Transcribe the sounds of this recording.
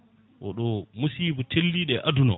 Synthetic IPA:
ʔɔ̰ɗɔmusiːbutʰelːiːɗɛʔadunɔ

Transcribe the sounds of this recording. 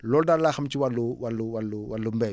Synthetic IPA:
lɔːldaɾlaxamt͡ʃiwaluwalːuwalːuwalːumbɛ

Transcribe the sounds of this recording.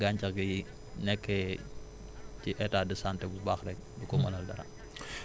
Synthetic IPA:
ɡaɲt͡ʃɐɡiji | nɛkːɛ | ciʔɛtaːdəsantɛbubaːxɾɛk̚dukɔmɐ̰lɐldɐɾa̰

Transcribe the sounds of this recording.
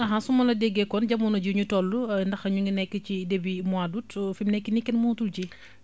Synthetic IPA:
ɐɦasumɐlɐdɛɡːɛkɔnɟɐmunɐɟuɲutɔlːundɐxɐɲuŋɡinɛkːəcidebimwadutfimnɛkːinikːɛnmɔtulci

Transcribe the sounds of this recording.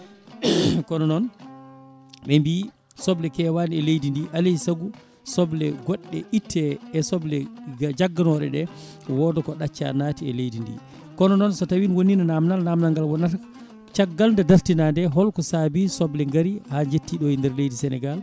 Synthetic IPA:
kɔnɔnɔn | ɓɛmbi | sɔblɛkɛwaniɛlejdindiʔalɛsaɡu | sɔblɛɡɔɗːɛ̰ʔitʰːɛːsɔblɛd͡ʒaɡːanɔɗɛ̰ɗɛ | wɔdɔkɔɗat͡ʃːa̰naːtiɛ̰lejdindḭ | kɔnɔnɔnsɔtawinwoninanamnalnamnaŋɡalwɔna | t͡ʃaɡːalndadaɾtinandɛɦɔlkɔsabisɔblɛŋɡaɾihad͡ʒetːiɗɔindɛɾlejdisɛnɛɡal

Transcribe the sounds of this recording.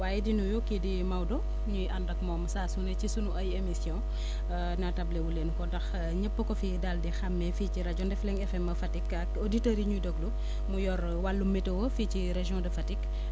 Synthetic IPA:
waːjɛdinujokːidimɐwdɔ | ɲujʔɐndɐkmɔːmsaːsunɛcisunuɐjemisjɔ̃ | nɐtɐblewulenkɔdɐx | ɲəpːəkɔfidaldixɐmːɛfiːciɾɐd͡ʒɔ̃ndɛflɛŋɛfɛmɐfɐtikɐkoditɐɾiɲudɔɡlu | mujɔɾ | walːumːɛtɐwɔficiɾeʒjɔ̃dɐfɐtik

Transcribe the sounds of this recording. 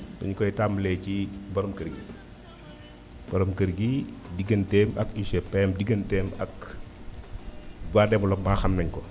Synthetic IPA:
bɐɲkɔjtamlɛːcibɐɾɔmkəɾɡi | b̥ɐɾomkəɾɡidiɡəntɛːmɐkusɛpɛmdiɡəntɛmɐk | baːdɛvɔlɔmaxɐmnɐɲkɔ

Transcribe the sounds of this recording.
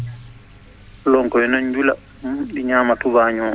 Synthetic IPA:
lɔŋkɔɛnɔɲd͡ʒula̰ | mumɗiɲaːmatubaːɲɔ

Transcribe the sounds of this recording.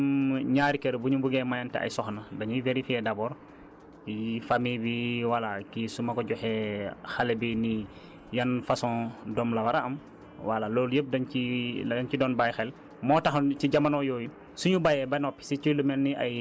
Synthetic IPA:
mɲaːɾikeɾbuɲubuɡɛmajantɛ̰ʔa̰jsɔxnɐdɐɲiveɾifiɛdabɔːɾ | kifamibiwalakisumɐkɔɟɔxɛxalebini | jɐnfasɔ̃dɔmlɐwaɾaɐm | walaloːljəp̚dɐniɐncidɔːnbajxɛl | mɔːtaxnt͡ʃiɟamanɔjɔːju | suɲubajɛbanɔpːi̥siculumɛnːiʔa̰j

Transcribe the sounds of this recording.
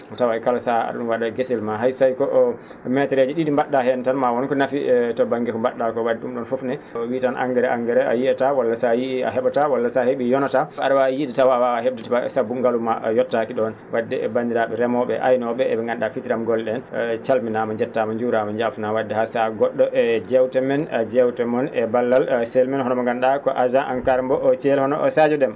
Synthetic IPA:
tawaɛkalɔsaa̰ɗɗunwaɗaɡesilmaɦajsajkɔʔ | mɛtɛɾed͡ʒiɗiɗimbaɗːahɛntanmawɔnkɔnafitɔbaŋɡɛkɔmbaɗːakɔwadɛɗumɗɔnfofnɛwitanʔa̰ŋɡɛɾɛʔaŋɡɛɾɛa̰jiɛtawalːasajia̰ɦɛɓatawalːasaheɓijɔnɔtaaɗawajidɛtawawaheɓdɛtaasabːuŋɡalumajɔtːakiɗɔn | wadːɛɛ̰bandiɾaɓɛɾɛmɔɓɛ̰ʔa̰jnɔɓɛɛɓɛŋɡanɗafitiɾamɡɔlɗɛnt͡ʃalminamaɲd͡ʒɛtːamaɲd͡ʒuɾamand͡ʒafnawadːɛhasaɡɔɗːɔʔɛd͡ʒɛwtɛmɛnad͡ʒɛwtɛmɔnɛbalːalsɛlmɛnhɔnɔmaŋɡanɗakɔʔad͡ʒanʔankaɾmbɔt͡ʃɛlhɔnɔ̰sad͡ʒɔdɛm

